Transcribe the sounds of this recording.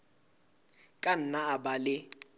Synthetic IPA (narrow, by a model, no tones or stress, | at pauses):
kʼan̩naabalɪ